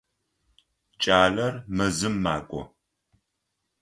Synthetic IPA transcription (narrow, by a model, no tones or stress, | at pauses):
t͡ʃʼaːlɐrmɐzɨmːa̰ːkʷʼɔ̰